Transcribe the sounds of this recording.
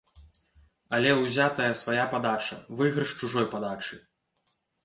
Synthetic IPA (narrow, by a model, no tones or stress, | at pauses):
ɐlʲɛwzʲat̪ɐjɐsvajapad̪at͡ʂɐ̰vɨɣɾɨʂt͡ʂuʐɔjpad̪at͡ʂɨ